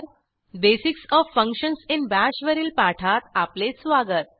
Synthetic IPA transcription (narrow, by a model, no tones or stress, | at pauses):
besiksɔʋfə̃ŋkɕənsinbæɕʋəɾiːlpaʈʰat̪aplesʋaɡət̪̚